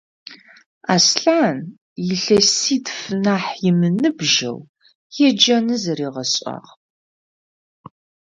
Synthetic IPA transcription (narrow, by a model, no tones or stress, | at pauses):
a̰ːsɬaːn | jɪɬɐsiːtfɨnaːħjɪmɨnɨbʒɐ̰w | jɛd͡ʒɐnɨzɐɾiːʁɐɕʼa̰ːʁ